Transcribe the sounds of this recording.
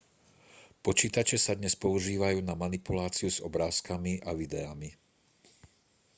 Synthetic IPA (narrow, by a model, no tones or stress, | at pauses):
pɔt͡ʃiːt̪at͡ʃɛsad̪ɲɛspɔuʒiːʋajuːnamanipulaːt͡siuz̥ɔbɾaːskamiʔaʋid̪ɛami